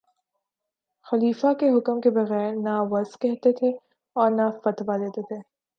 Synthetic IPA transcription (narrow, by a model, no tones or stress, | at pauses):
xɐliːfakeɦʊkəmkebɐɣɛːɾnaʋɐzkɛɦt̪et̪ʰe | ɔːɾnafɐt̪ʋad̪eːt̪et̪ʰeː